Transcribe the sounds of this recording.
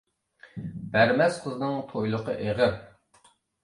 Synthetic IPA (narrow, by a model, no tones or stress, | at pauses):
b̥æɾmɛsqʰəznɨŋt̪ʰojlˠʊqʰəʔeʁə